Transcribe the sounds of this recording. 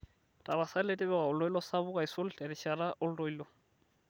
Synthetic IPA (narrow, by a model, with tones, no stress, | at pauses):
tʼa˨ba˨sa˦letʼɪ˦bɛwa˨ʊ˨lɔ˦i˦lɔ˦sa˦βʊ˦kʼa˨isʊ˦l̩ɬɛ˨ɾɪʃa˨ɾa˦ʔʊ˦lʊ˦roi˦lɔ˦